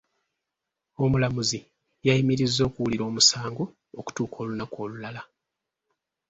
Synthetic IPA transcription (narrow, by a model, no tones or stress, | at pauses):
o̞mulamuzi | jajimiɾizːo̞ːkuwuliɾo̞ːmusaːŋɡo | oku̥tuːkʰo̞ːlunako̞ːlulala